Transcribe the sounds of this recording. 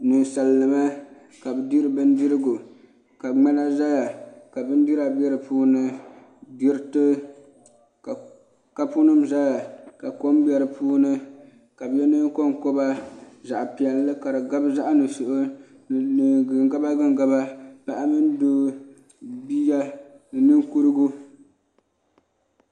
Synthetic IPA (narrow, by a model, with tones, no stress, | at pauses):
nu˨n˨sa˨lnɨ˨ma˦ | ka˨bɨ˨di˦ɾɨ˦bɨ˦n˦dɨ˦ɾɨ˦ɡu˨ | ka˨ŋ͡ma˦na˦za˦ja˨ka˨bɨ˦n˦di˦ɾa˨bɛ˦ɾɨ˨puː˦nɨ˦ | di˦ɾtɨ˦˨ | ka˦pu˦nɨ˦mza˦ja˨ka˨ko˦mbɛ˨ɾɨ˨puː˦nɨ˦ | ka˨bjɛ˦nɨ˦ko˦ŋko˦ba˦za˨ʔpi˨ɛ˨lːɨ˦ka˨ɾɨ˨ɡa˦bɨ˦za˦ʔa˦nɨ˨sʊ˨ʔʊ˦ | nɨ˨ɡɨ˨ŋɡa˦ba˦ɡɨ˦ŋɡa˦ba˦pa˨ʔa˦mɨ˦ndoː˦ | bi˦ja˦ | nɨ˨nɨ˦ŋku˦ɾɨ˦ɡu˦